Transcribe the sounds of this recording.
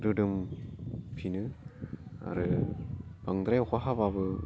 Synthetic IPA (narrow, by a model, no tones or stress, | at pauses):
ɾɯdɯm | pʰinɯ | a̰ɾɯ | b̥aŋd̪ɾajkaɦababɯ